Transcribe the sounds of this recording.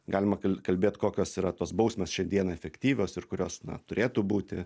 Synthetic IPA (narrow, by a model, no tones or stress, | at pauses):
ɡɑːlʲɪmɐkɐlkɐlʲbʲeːt̪ʲkoːkʲoːsiːɾɐt̪oːsbɒʊsʲmʲeːsʃʲɛnʲd̪ʲiɛnɑɛfʲɛkt̪ʲiːʋʲoːsɪrkʊɾʲoːsnɐ̰t̪ʊɾʲeːt̪uːbuːt̪ʲɪ